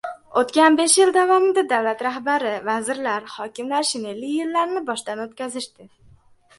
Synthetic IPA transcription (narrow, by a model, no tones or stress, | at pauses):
ot̪kʲanbe̞ʃjɪld̪avɒmɪd̪ad̪awlat̪ɾahbaɾɪvazɪɾlaɾhɒkʲɪmlaɾʃɪne̞lːɪjːɪlːaɾnɪbɒʃt̪anot̪̚kʲazɪʃt̪ɪ